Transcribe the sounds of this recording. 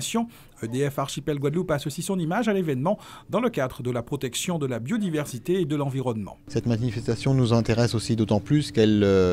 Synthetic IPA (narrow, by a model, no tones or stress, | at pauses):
sjɔ̃ | ød̪eɛfaʁʃipɛlɡwad̪lupasɔsisɔ̃nimaʒalevɛnmɑ̃d̪ɑ̃ləkad̪ʁəd̪əlapχɔt̪ɛksjɔ̃d̪əlabjod̪ivɛʁsit̪eːd̪əlɑ̃viʁɔnmɑ̰̃sɛt̪manifɛst̪asjɔ̃nuzɛ̃t̪eʁɛsosid̪ot̪ɑ̃plyskɛl